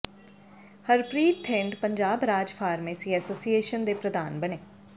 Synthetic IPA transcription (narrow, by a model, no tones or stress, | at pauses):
həɾpɾiːt̪ʰːɪɳɖpəɲd͡ʒaːbɾaːd͡ʒpʰaːɾmeːsiːɛːsoːsieːʃənd̪eːpɾəd̪aːnbəneː